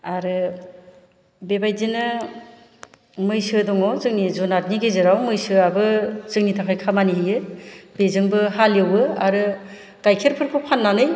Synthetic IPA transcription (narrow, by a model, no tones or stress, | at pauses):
aɾɯ | bebajzinɯ | mɯjsɯdɔŋɔzɯŋnizɔnaɾ̚niɡezɯɾawmɯjsɯabɯzɯŋnitʰakʰajkʰamaniɦijɯbezɯŋbɯhaljewɯa̰ɾɯ | ɡ̥ajkʰeɾpʰɯɾpʰɯpʰanːanɯj